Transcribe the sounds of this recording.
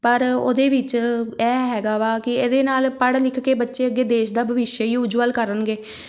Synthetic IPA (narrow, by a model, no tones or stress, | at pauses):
pəɾo̰ːd̪eːʋɪt͡ʃɛːɦɛːɡaːʋaːkɪed̪eːnaːlpəɽlɪkʰkeːbətːʃeːəɡːeːd̪eːʃd̪aːbʱəʋɪʃjəiːʊd͡ʒʋəlkəɾənɡeː